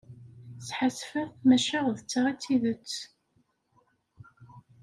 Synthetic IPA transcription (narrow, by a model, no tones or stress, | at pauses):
sħasfæθmæʃaʁðət͡sːaʁit͡sːiðət͡sː